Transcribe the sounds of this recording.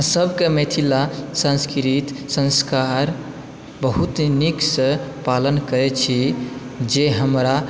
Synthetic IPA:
ɦãsəbkemet̪ʰilasãnskɾit̪sə̃nskaɾ | bəɦut̪niksə̃palənkəɾɛt͡ʃʰi | d͡ʒeɦəmɾa

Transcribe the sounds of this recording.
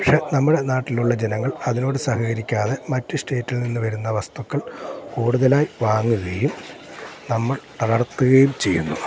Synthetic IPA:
pɐkʂe̞ːnɐmːuɽe̞naːʈːiluɭːɐd͡ʑenɐŋːɐɭɐðino̞ːɽɨsɐhɐɣɐɾikʲːaːðe̞mɐtːɨsʈe̞ːtːilninːɨʋɐɾunːɐʋɐst̪ukːɐɭkuːɽuðɐlaːjiʋaːŋːuɣɐjum | nɐmːɐɭt̪ɐɽɐrt̪ːuɣɐjumt͡ɕe̞jːunːṵ

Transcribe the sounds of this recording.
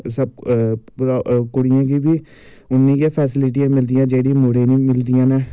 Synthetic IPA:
səb̚ | ɾkʊɽijãk̬ibʱi | ʊnːĩkepʰɛːsɪlɪʈ̬ijãːmɪld̪ijãːd͡ʒeːɽimoɽenimɪld̪ijãːnɛː

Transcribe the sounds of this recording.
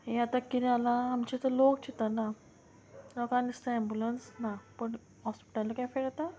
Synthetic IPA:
jat̪akːiɾjalaːmt͡ɕit̪əlokt͡ɕit̪ana | lɔkãnist̪aɛmbjulənsnapəɳ | ɦɔspi̥ʈalakajfeɽat̪a

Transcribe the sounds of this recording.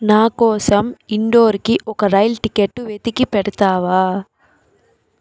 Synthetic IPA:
naːkɔːsɐmiɳɖo̞ːɾikiʔɔkɐɾɐjlʈikeʈːuʋet̪ikipɛɽɐt̪aːʋaː

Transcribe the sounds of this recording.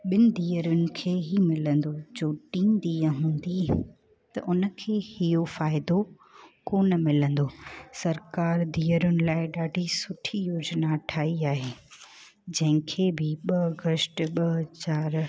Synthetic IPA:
ɓɪnɪ̆d̪iːəɾʊnɪ̆kʰeːɦimɪlə̃nd̪od͡ʑoːʈĩːnd̪iːə̃ɦũːn̆d̪i | t̪ɐ̰ʔʊnə̆kʰeːhijofaːɪd̪o | koːnə̆mɪlə̃nd̪oːsɐɾkaːɾd̪iːəɾʊnɪ̆laːɪɗaːɖʱisʊʈʰijoːd͡ʑnaʈʰaːiaːɦeː | d͡ʑɐ̃ɦɪ̃kʰeːbɪɓɐɡəsʈɓɐt͡ɕaːɾ

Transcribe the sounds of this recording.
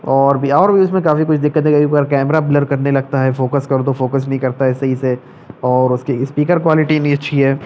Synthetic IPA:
ɔːɾbʱiɔːɾbʱiʊsmẽkaːfikʊt͡ʃʰd̪ɪkːət̪ɦɛkɐbʱiəɾkɛːmɾabləɖkɐɾnelɐɡ̚t̪aɦɛfoːkəskɐɾd̪ofoːkəsnɐɦĩkɐɾt̪aɦɛsɐɦise | ɔːɾʊskispiːkəɾkwaːlɪʈinĩɐtːʃʰiɦɛː

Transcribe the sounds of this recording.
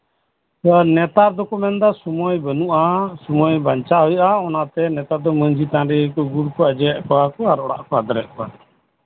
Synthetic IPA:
ɔnɛt̪aɾd̪ɔkɔmɛnd̪asumɔjbənuʔasumɔjbaɲt͡ʃaɦɔjʔaɔnat̪ɛnɛt̪ad̪ɔməɲd͡ʒit̪ãɾɛkɔɡuɽkɔəd͡ʒɛɛʔkɔwakɔaɾɔɽa̰ʔkɔad̪ɔɾɛʔkɔa̰

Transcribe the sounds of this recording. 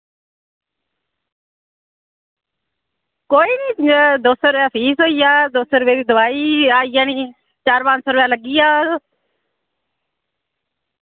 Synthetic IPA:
koːiːniːt̪ɪaːd̪oːsəɾʋjaːpʰiːsɦoːiːjaːd̪oːsəɾʋeːd̪iːd̪ʊʋaːiːaːijaːniː | t͡ʃaːɾpãːnsoːɾʋjãːləɡiːjaː

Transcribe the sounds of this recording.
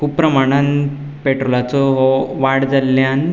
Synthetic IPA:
kupːɾɐmaɳɐn | peʈɾolat͡sɔɦoʋaɽd͡zɐlːjaːn

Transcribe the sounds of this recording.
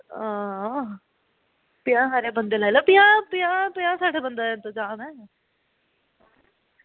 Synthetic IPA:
ãː | pɪjãːɦaːɾebənd̪eːlajlopɪjãːpɪãpɪjãːsaːɖebənd̪aːnt̪od͡ʒãːmɛ̃ː

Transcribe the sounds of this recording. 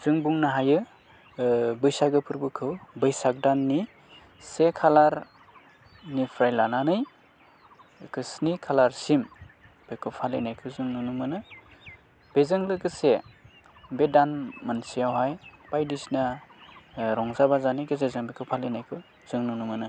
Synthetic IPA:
z̥ɯŋbuŋnaɦajɯ | bɯjsaɡɯpʰɯɾbɯkʰɯwbɯjsak̚danːi | sekʰalaɾ | nipʰɾajlananɯj | kʰɯsnikʰalaɾsim | b̥ekʰɯpʰalinajkʰɯzɯŋnunumɯnɯ | b̥ezɯŋlɯɡɯse | bedanmansijawɦajb̥ajdisna | ɾɔŋzabazaniɡɯzezɯŋbekʰɯwpʰalenajkʰɯ | z̥ɯŋnunumɯnɯ

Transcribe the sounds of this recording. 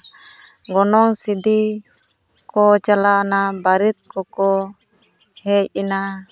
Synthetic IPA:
ɡɔnɔŋsidi | kɔt͡ʃalanabaɾit̪̚kɔkɔ | hɛina

